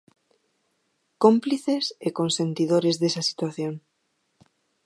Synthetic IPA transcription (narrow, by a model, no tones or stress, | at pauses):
kompliθesekonsẽnt̪iðoɾezðesasi̥t̪waθjoŋ